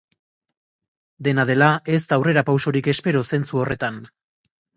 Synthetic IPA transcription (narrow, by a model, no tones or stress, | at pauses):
d̪e̞naðe̞lae̞st̪awre̞ɾapawso̞ɾike̞spe̞ɾose̞nt͡suo̞re̞t̪an